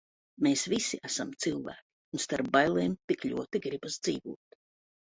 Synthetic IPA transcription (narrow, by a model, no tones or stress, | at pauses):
meːsvisiæsamt̪silˠvæ̰ːkʲi̥unst̪aɾp̚bajlˠɛːmt̪iklʲṵɔt̪iɡɾibasd̪ziːvuɔt̪